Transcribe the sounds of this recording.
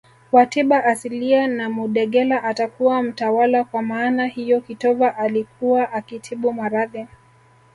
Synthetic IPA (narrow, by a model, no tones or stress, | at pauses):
watiɓaʔːsilianamuɗɛɠɛlaʔatakuwam̩tawalakwamaːnahijɔkitɔvaʔalikuwaʔakitʰiɓumaɾaði